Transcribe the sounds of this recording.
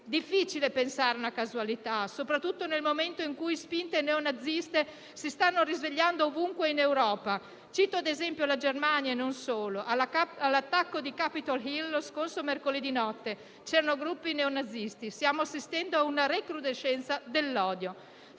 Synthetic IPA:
d̪ifːit͡ʃilepensaːɾeunakazualit̪asopɾat̪ːut̪ːonelmoment̪oiŋkujspint̪eneonad̪zːist̪e | sist̪anːoɾizveʎːand̪oːvuŋkweinewɾɔːpa | t͡ʃiːt̪oad̪ezɛmpjolad͡ʒermanjaenonsoːloʔaalːat̪ːakːod̪ikapit̪alɦilːoskorsomerkolid̪inɔt̪ːe | t͡ʃɛːɾanoɡɾupːineonad̪zːist̪isjaːmoasːist̪ɛnd̪oaunaɾekɾud̪eʃːɛnt̪sad̪elːɔːd̪jo

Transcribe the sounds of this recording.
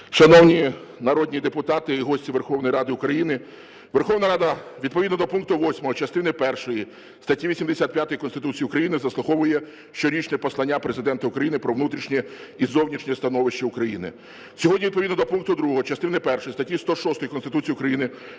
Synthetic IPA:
ʃɐnɔwnʲinɐɾɔd̪ʲnʲid̪epʊt̪ɑt̪ɪɦɔsʲtʲiʋerxɔwnɔjiɾɑd̪ɪʊkɾɐjinɪ | ʋerxɔʋnɐɾɑd̪ɐʋʲid̪pɔʋʲid̪nɔd̪ɔpunk̚t̪ʊʋɔsʲmɔɦɔt͡ʃɐst̪ɪnɛpɛrʃɔji | st̪ɐtʲiʋʲisʲimd̪esʲat̪̚pʲjat̪ɔjikɔnst̪ɪt̪ut͡sʲijiukɾɐjinɪzɐslˠʊɦɔʋʊjɛ | ʃt͡ʃɔɾʲit͡ʃnɛpɔslˠɐnʲːapɾezɪd̪ɛnt̪ɐʊkɾɐjinɪpɾɔʋnut̪ɾʲiʃnʲɛizɔwnʲiʃnʲɛst̪ɐnɔʋɪʃt͡ʃɐʊkɾɐjinɪ̰ | sʲɔɦɔdnʲiʋʲid̪p̬ɔʋʲid̪nɔd̪ɔpunkt̪ʊd̪ɾuɦɔɦɔt͡ʃɐst̪ɪnɪpɛrʃɔjist̪ɐtʲist̪ɔʃɔst̪ɔjkɔnst̪ɪt̪ut͡sʲijiʊukɾɐjinɪ

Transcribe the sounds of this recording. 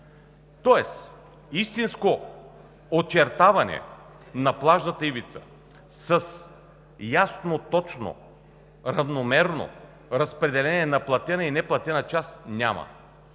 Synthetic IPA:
t̪ɔɛs | ist̪insko | ot͡ʃɛɾt̪avɐnɛ̰ | nɐplˠaʒnət̪əivit̪sə̥ | səs | jasnot̪ɔt͡ʃno̰ | ɾɐvnomɛɾno̰ | ɾɐspɾɛd̪ɛlɛnʲiɛnɐplˠɐt̪ɛnəinɛplˠɐt̪ɛnət͡ʃasnʲa̰mɐ̰

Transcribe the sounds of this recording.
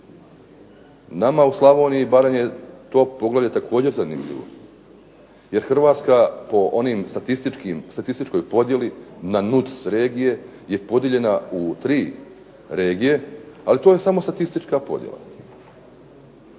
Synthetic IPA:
namauslˠaʋo̞ːniibaɾe̞mjet̪o̞ːpo̞ɡlˠavʎʲat̪akʰo̞ːd͡ʑe̞ɾzanḭmʎḭʋo̰ | je̞ɾxr̩ʋaːt̪skapo̞ʔo̞nimst̪at̪ist̪it͡ʃkimst̪at̪ist̪it͡ʃko̞jpo̞d̪je̞linanut̪sɾe̞ːɡije̞ | je̞po̞d̪jeʎe̞naut̪ɾiː | ɾe̞ːɡije̞alit̪o̞ːje̞samo̞st̪at̪ist̪it͡ʃkapo̞̰d̪jḛla̰

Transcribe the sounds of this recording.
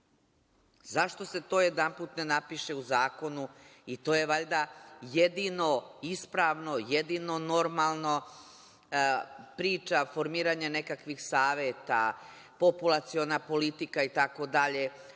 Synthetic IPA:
zaʃt̪o̞se̞t̪o̞ːjed̪ampuːt̪nenapiʃe̞uzaːko̞nuit̪o̞ːje̞ʋaʎʲd̪ajed̪ino̞ispɾaːʋno̞jed̪ino̞no̞ɾmalˠno | pɾiːt͡ʃafo̞ɾmiːɾaɲane̞kakʋixsaːʋet̪a | po̞pulˠat̪sio̞napo̞lit̪ikait̪ako̞d̪aʎe

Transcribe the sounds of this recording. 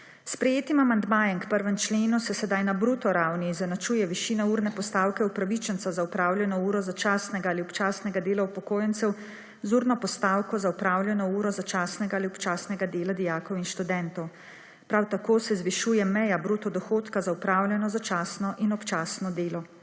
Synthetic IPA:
spɾɛjeːt̪imamand̪maːjɛmkpəɾʋɛmt͡ʃleːnusɛsɛd̪ajnabɾut̪ɔɾawnizanat͡ʃuːjɛʋiʃiːnauɾnɛpɔst̪awkɛupɾaʋit͡ʃɛnt̪sazaupɾaːwlʲjɛnɔuːɾɔzat͡ʃaːsnɛɡaːliɔpt͡ʃaːsnɛɡad̪eːlaupɔkoːjɛnt̪sɛw | zuːɾnɔpɔst̪aːwkɔzaupɾaːwlʲjɛnɔuːɾɔzat͡ʃaːsnɛɡaːliɔpt͡ʃaːsnɛɡad̪eːlad̪ijaːkɔwinʃt̪ud̪ɛnt̪ɔw | pɾawt̪akoːsɛzʋiʃuːjɛmɛjabɾut̪ɔd̪ɔxoːt̪kazaupɾaːwlʲjʲɛnɔzat͡ʃaːsnɔʔinɔpt͡ʃaːsnɔd̪eːlɔ

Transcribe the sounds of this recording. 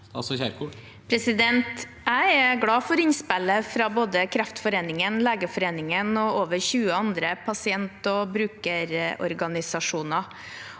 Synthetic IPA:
ɑlsɔçæːɾku | pʰɾɛsɪd̪ɛnt̪ | æɪɛɡlɑːfɔɾɪnspɛləfɾɑːboːd̪əkʰɾɛft̪fɔɾeːnɪŋənleːɡəfɔɾeːnɪŋənɔoːʋəɾçʉːəɑnd̪ɾəpʰɑsɪɛnt̪ɔbɾʉːkəɾɔ̰ɾɡɑnɪsɑʂuːnɑ

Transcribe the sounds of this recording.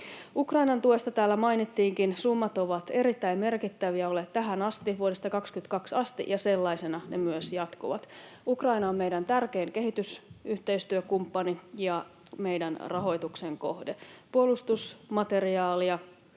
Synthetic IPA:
ukrɑinɑnt̪uest̪ɑt̪æːlːæmɑinit̪ːiːŋkinsumːɑt̪oʋɑt̪e̞ɾit̪ːæimme̞rkit̪ːæʋiæoleːt̪t̪æɦænɑst̪iʋuoɾest̪ɑkɑkskyt̪kɑksɑst̪ḭʔjɑselːɑisenɑnemyøsjɑt̪koʋɑ̰t̪ukrɑinɑommejdænt̪ærke̞ːŋke̞hit̪ysyht̪e̞ist̪yøkumpːɑnijɑ | me̞jdænrɑɦo̞jt̪ukseŋko̰hdepuolust̪usmɑt̪e̞riɑːliɑ

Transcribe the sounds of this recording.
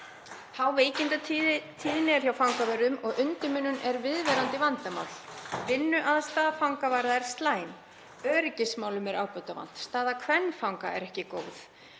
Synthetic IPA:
hawveːjcɪnt̪at̪ʰiːðɪnɪɛɾ̥θjawfawŋkavœɾðʏmɔɣʏnt̪ɪmʏnːʏnɛɾvɪðvɛɾant̪ɪvant̪ama̰ːwl̥vɪnːʏʔaðst̪aːðafawŋkavaɾðaɛɾ̥st̪laːjn | œːɾɪcɪsmaːwlʏmɛɾaːwpœɥt̪ava̰n̥t̪st̪aːðakʰvɛnːfawŋka̰ɛ̰ɾɛhcɪkoːwθ

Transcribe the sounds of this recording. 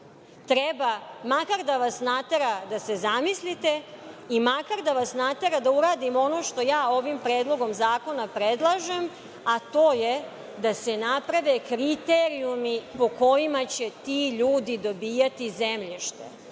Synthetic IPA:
t̪ɾebamakaɾd̪aʋasnat̪e̞ɾad̪ase̞zamislit̪e̞imakaɾd̪aʋasnat̪eɾad̪auɾaːd̪imo̞no̞ʃt̪o̞jaːo̞ʋimpɾeːd̪lˠo̞ɡo̞mzaːko̞napɾed̪lˠaʒe̞m | at̪o̞ːje | d̪ase̞napɾaʋekɾit̪eɾiumipo̞ko̞jimat͡ɕet̪iːʎuːd̪id̪o̞biːjat̪izemʎiʃt̪ḛ

